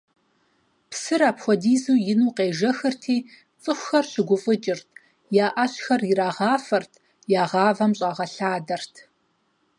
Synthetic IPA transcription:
psɨɾaːpxʷɔdiːzuːjɪnuːqeːʒɐxɨrtʰiː | t͡sʼɨxʷxɐrɕɪɡʷʊfʼɨt͡ʃʼɪrtʰ | jaːʔɐɕxɐrjɪɾaːʁɑːfɐrtʰ | jaːʁɑːvɐmɕʼɑːʁɐɬaːdɐrtʰ

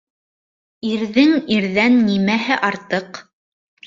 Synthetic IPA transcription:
iɾðɘŋiɾðænːimæɦɘʔɑɾt̪ɤq

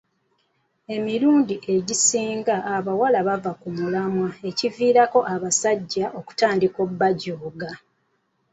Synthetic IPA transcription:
e̞miɾuːndiʔe̞ɟisiːŋɡaːβawalaβavakumulamwae̞civiːɾako̞ʔaβasaɟːaʔo̞ku̥taːndiko̞bːaɟoːɡa

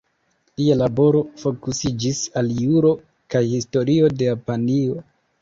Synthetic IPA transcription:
lialabo̞ɾo̞fo̞kusid͡ʒisaljuɾo̞ | kajhisto̞ɾio̞de̞japanio̞

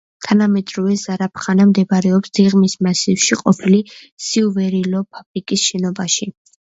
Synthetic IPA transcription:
t̪ʰanamɛd̪ɾɔvɛzaɾapʰχanamd̪ɛbaɾɛɔpsd̪iʁmismasifʃiqʼɔpʰili | siuvɛɾilɔpʰabɾikʼisʃɛnɔbaʃi

